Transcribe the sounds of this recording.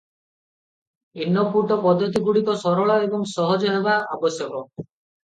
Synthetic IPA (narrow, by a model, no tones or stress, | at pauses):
inːɔpuɾʈɔpɔd̪ʱːɔt̪iɡuɽikɔsɔɾɔɭaebɔŋsɔɦɔd͡ʒɔɦebaabɔsjɔkɔ